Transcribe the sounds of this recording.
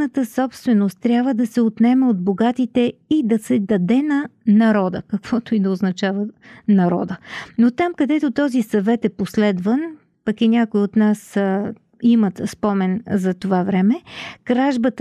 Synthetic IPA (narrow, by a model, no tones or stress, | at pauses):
nət̪əsɔpst̪vɛnost̪ːɾʲabvəd̪ɐsɛot̪nɛmɛod̪̚boɡat̪it̪ɛid̪ɐsɛd̪ɐd̪ɛnɐnɐɾɔd̪ə̰kɐkv̥ɔt̪oid̪ɐoznɐt͡ʃavənɐɾɔ̰d̪ənot̪amkɐd̪ɛt̪ot̪ɔzisɐvɛt̪ɛposlɛd̪vən | pɐkinʲakʊiot̪nas | imət̪spɔmɛnzɐt̪ovavɾɛmɛkɾaʒbət̪